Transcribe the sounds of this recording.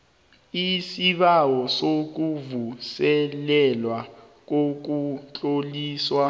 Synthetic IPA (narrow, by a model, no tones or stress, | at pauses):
isiɓawɔsok̬uvusɛlɛlwa | k̬ok̬ut͡ɬʼoliːswa